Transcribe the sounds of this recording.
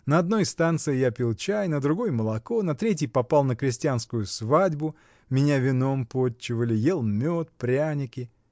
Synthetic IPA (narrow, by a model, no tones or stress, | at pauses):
nəɐd̪̚no̞jst̪ant̪sɨjɪjapʲilˠt͡ɕajnəd̪ɾʊɡo̞jməlˠɐko̞nɐt̪ɾʲet̬ʲjɪjpɐpalˠnəkɾʲɪsʲtʲɪjanskʊjʊsvadʲbʊ | mʲɪnʲavʲɪno̞mpot͡ɕːɪvəlʲɪjelˠmʲot̪̚pɾʲanʲɪkʲɪ